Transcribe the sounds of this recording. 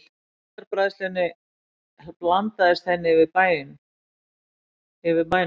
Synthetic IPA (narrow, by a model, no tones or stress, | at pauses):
ɾpɾaːðɪst̪ɛnːɪ | plant̪aðɪst̪θɛnːɪvɪðpaːjðɪn | ɪvɪðpaj